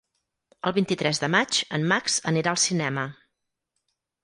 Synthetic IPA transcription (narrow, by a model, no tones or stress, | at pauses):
əlˠβint̪it̪ɾɛzðəmat͡ʃənːaksəniɾaəlˠsinɛmə